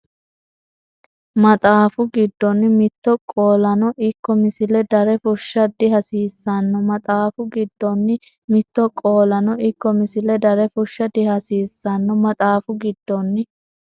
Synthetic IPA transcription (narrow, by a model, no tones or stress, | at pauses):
mɐt̪ʼaːfʊɡɪd̪ːɔnːɪmɪt̪ːɔkʼoːlɐnɔʔɪkːɔmɪsɪlɛd̪ɐɾɛfʊʃːɐd̪ɪɦɐsiːsːɐnːɔmɐt̪ʼaːfʊɡɪd̪ːɔnːɪ | mɪt̪ːɔkʼo̞ːlɐnɔʔɪkːɔmɪsɪlɛd̪ɐɾɛfʊʃːɐd̪ɪhɐsiːsːɐnːɔmɐt̪ʼaːfʊɡɪd̪ːɔnːɪ